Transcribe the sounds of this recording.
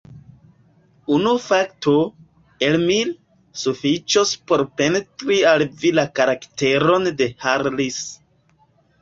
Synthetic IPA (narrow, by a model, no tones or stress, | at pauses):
unufakto | elmil | sufit͡ʃospo̞ɾpe̞netɾialvilakaɾakte̞ɾo̞nde̞haɾlis